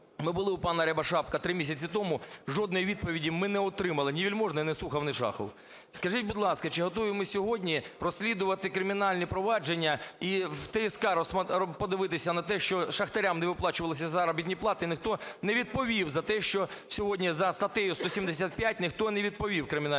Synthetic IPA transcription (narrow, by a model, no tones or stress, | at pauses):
mɪbʊlˠɪupɑnɐɾʲɐbɐʃɑp̚kɐt̪ɾɪmʲis̬ʲɐt͡sʲit̪ɔmʊʐɔd̪nɔjiʋʲid̪̚pɔʋʲidʲimɪnɛɔt̪ɾɪmɐlˠɪnʲiʋʲilʲmɔʒnɔinɛsuxɐwnɪʃɑ̰xɔ̰w | skɐʒitʲbʊd̪lˠɑskɐt͡ʃɪɦɔt̪ɔʋʲimɪsʲɔɦɔdʲnʲirɔsʲlʲid̪ʊʋɐt̪ɪkɾɪmʲɪnɑlʲnʲipɾɔʋɑd͡ʒenʲːɐit̪ɛjiskɑɾɔsɐpɔd̪ɪʋɪt̪ɪsʲɐnɐt̪ɛʃt͡ʃɔʃɐxt̪ɐɾʲamnɛʋɪplˠɑt͡ʃʊʋɐlˠɪs̬ʲɐzɐɾɐbʲit̪ʲnʲiplˠɑt̪ɪnɪxt̪ɔnɛʋʲid̪̚pɔʋʲiwzɐt̪ɛʃt͡ʃɔsʲɔɦɔdʲnʲizɐst̪ɐt̪ɛjʊst̪ɔsʲimd̪esʲat̪̚pʲjat̚ʲnɪxt̪ɔnɛʋʲid̪̚pɔʋʲiwkɾɪmʲɪn